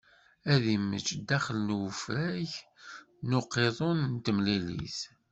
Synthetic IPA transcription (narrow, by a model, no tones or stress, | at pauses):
æðimə̰t͡ʃːd̪æχələnwəfɾæç | noqːeðˤonnt̪əmlilḭs